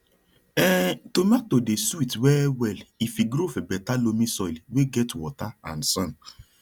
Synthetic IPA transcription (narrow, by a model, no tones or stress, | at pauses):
ɛtomak̚todesuitwɛwɛlifiɡɾofɛbɛtalomĩsɔilweɡɛtwɔ̰taã̰n̩sãn